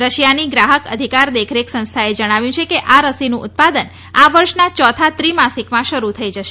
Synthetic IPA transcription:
ɾəʃjaniɡɾaɦəkəd̪ʱikaɾd̪ekʰɾeksə̃nst̪ʰaed͡ʒəɽ̃aʋjũt͡ʃʰekeʔaɾəsinũʔʊt̪̚pad̪ən | aʋəɾʃnat͡ʃɔt̪ʰat̪ɾimasikmãʃəɾut̪ʰəid͡ʒəʃe

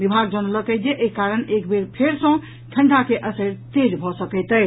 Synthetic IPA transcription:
bibʱaɡd͡ʒənələkəjd͡ʒ̪eʔekaɾənekbeɾpʰeɾsə̃ | ʈʰəɳɖʱakeʔəsəɾt̪ed͡ʒbʱɔsəkɛjt̪əj

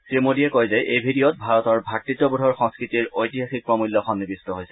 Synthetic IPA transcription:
tɹimodiɛkojzɛʔejbʱidijɔt̚bʱaɹɔtɔɹbʱatːitːɔbudʱɔɹxɔ̃ŋskɹitiɹojtiɦaxik̚pɹɔmuljɔkʰɔnːibistɔɦojsɛ

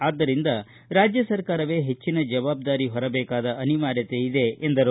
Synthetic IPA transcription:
aːd̪ːɐɾind̪ɐ | ɾaːd͡ʒjɐsɐɾkaːɾɐʋe̞ːɦe̞t͡ʃːinɐd͡ʒɐʋaːb̚d̪aːɾiɦɔɾɐbɛːkaːd̪ɐʔɐniʋaːɾjɐt̪e̞id̪e̞ʔːnd̪ɐɾu

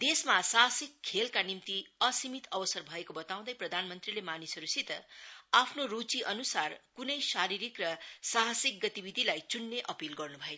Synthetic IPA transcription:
d̪esmasaɦsikʰːelkanimt̪iʌsimit̪ʰʌbʌsʌrbʱʌekobʌt̪aw̃d̪ʌjprʌd̪ʱanmʌnt̪rilemanisʌɾusit̪ʌapʰnoɾut͡siʔʌnusarkunʌjsaɾiɾikrʌsaɦʌsik̚ɡʌt̪ibid̪ʱilajt͡sunːeʔʌpilɡʌrnubʱʌe

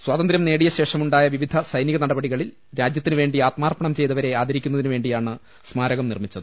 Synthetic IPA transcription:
swaːt̪ɐnd̪ɾjɐmne̞ːɽijɐɕe̞ːʂɐmuɳɖaːjɐʋiʋid̪ʱɐsɐjniɣɐnɐɽɐbɐɽiɣɐɭil | ɾaːd͡ʑjɐt̪ːinɨʋe̞ːɳɖiaːt̪maːrpɐɳɐmt͡ɕe̞jt̪ɐʋɐɾe̞aːd̪ɐɾikʲːunːɐðinɨʋe̞ːɳɖijaːɳɨ | smaːɾɐɣɐmnirmit͡ɕːɐðɨ

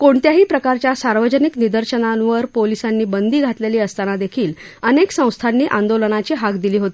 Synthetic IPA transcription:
koɳt̪jaɦiːpɾəkaɾt͡ɕjasaɾʋəd͡ʑəniknid̪əɾɕənaʋəɾpolisanːiːbənd̪iːɡʱat̪leliːəst̪anad̪ekʰiːl | əneksə̃w̃st̪ʰanːiːʔãnd̪olənat͡ɕiːɦakd̪iliːɦot̪i

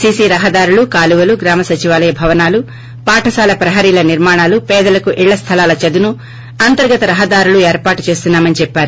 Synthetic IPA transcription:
siːsiːɾɐɦɐd̪aːɾulukaːluʋɐluɡɾaːmɐsɐt͡ʃiʋaːlɐjɐbʱɐʋɐnaːlu | paːʈʰɐsaːlɐpɾɐɦɐːɾiːlɐniɾmaːɳaːlupɛːd̪ɐlɐkuʔiɭːɐst̪ʰɐlaːlɐt͡ʃɐd̪unu | ɐnt̪ɐɾɡɐt̪ɐɾɐɦɐd̪aːɾulueːɾpaːʈut͡ʃe̞ːst̪unːaːmɐnit͡ʃɛpːaːɾu

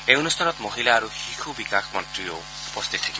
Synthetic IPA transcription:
eɔnust̪ʰanɔt̪mɔɦilaːɾuhikʰubikakʰmɔnt̪ɾio | upɔst̪ʰit̪ʰikʰ

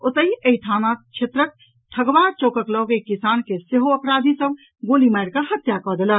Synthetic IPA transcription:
ʊt̪əɦieiʈʰaːnat͡ʃʰet̪ɾək̚ | ʈʰəɡʋaːɾt͡ʃoːkəklɔɡekisaːnkeseɦoəpɾaːd̪ʱisəb | ɡoːlimajɾkahət̪jakɔd̪ela

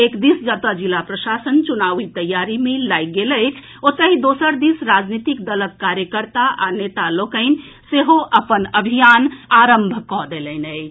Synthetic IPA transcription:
ekd̪isd͡ʒət̪əd͡ʒilapɾəsasənt͡ʃunaʋit̪əjːaɾimelajɡeləjt͡ʃʰ | ot̪əɦid̪osəɾd̪isɾad͡ʒnit̪ikd̪ələkːaɾjəkəɾt̪aa̰net̪alokəɪn | seɦoʔəpənəbʱijanaɾəmbʱkɔd̪eləɪnəj

